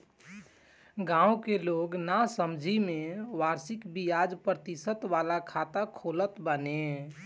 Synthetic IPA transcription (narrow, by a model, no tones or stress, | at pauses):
ɡãːũkeloːɡnasəmd͡ʒʱimẽʋaːɾsɪkbijaːd͡ʒpɾət̪isət̪ʋaːlakʰaːt̪akʰoːlət̪bəne